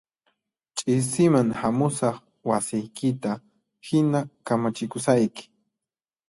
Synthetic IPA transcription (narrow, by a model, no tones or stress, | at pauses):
t͡ʃʼɪsɪmaŋhamʊsɑχ | wasɪjkɪt̪a | hɪnakamat͡ʃɪkʊsajkɪ̥